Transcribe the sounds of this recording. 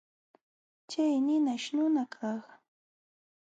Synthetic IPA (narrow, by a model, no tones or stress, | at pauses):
t͡ʃajnɪnaʃnʊnakʰɑχ